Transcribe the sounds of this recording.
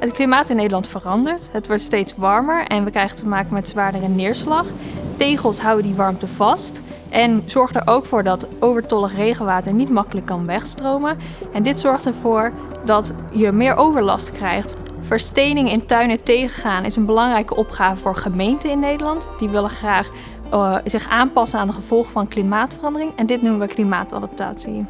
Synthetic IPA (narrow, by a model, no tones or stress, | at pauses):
ɦətklimaːtɪnːejdəlɑntfərɑndəɹtɦətʋɔɹtstejtsʋɑɹməɹʔɛ̰nʋəkrɛjχətəmaːkəmɛtzʋaːɹdərənɪːɹslɑχtejχəlˠsɦʌwədiʋɑɹmtəv̥ɑst | ʔɛnz̥ɔɹχdəɹʔowkfʊːɹdɑtʔowvəɹtɔləχrejχənʋaːtəɹnitmɑkələkːɑnʋɛχstrowmən | ɛndɪtsɔɹχtəɹv̥ʊːɹ | dɑt | jəmɪːɹʔowvəɹlɑ̰stkrɛjχt | fəɹstejnɪŋɪntœɥnətejχəχaːnʔɪ̰sənbəlɑŋrɛjkəʔɔpχaːvəvʊːɹχəmejntəɪnːejdəlɑntd̥iʋɪləχraːχ | z̥ɪχʔaːnpɑsənaːndəχəv̥ɔlˠχəvɑnklimaːtfərɑndərɪŋɛndɪtnuməʋəklima̰ːtɑ̰dɑp̚ta̰ːtsi